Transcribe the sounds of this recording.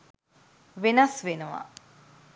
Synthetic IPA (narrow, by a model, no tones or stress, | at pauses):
ʋenɐsʋenuʋɐ̰